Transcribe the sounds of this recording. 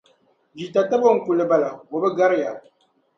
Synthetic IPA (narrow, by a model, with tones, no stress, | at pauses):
d͡ʒi˨ta˨ta˦bo˦˨ŋ̩˨ku˨lːɨ˨ba˨la˨wo˨bɛ˦ɡa˦ɾɪ˦ja˨